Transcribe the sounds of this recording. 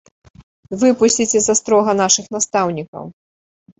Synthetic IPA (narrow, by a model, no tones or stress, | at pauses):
vɨpusʲt͡sʲit͡sʲɛzɐst̪ɾɔɣɐnaʂɨxnast̪awnʲikɐ̰w